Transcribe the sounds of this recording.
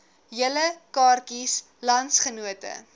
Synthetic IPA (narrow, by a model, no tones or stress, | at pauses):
jələkɑːrkis | lɐntsχənuətə̰